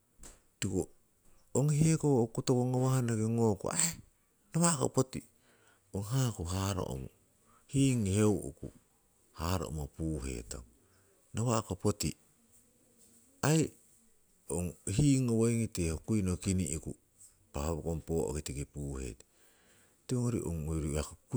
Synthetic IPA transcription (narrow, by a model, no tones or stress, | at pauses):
tiko | oŋihekokutokoŋowahanakiŋokṵae | nawako̰poti | oŋɦakuɦaɾo̰ʔo̰mṵ | hiːŋihewʔṵku | haɾo̰o̰mopuɦḛto̰ŋ | naβakopoti | aj | oŋɦiːŋowojŋitehokujnokiniʔiku | pahoβokompoʔo̰kitikipuːhḛtḁ | teoŋoɾḭʔo̰ŋoɾiakok